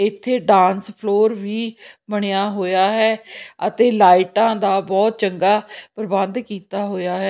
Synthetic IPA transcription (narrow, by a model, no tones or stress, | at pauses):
ɪt̪ʰːeːɖãːnspʰloːɾʋiːməɳ̃ejaːɦoːjaːɦɛːət̪eːlaːɪʈãːd̪aːbɔːt̪̚t͡ʃəŋɡaːpəɾbənd̪kiːt̪aːɦoːjaːɦɛ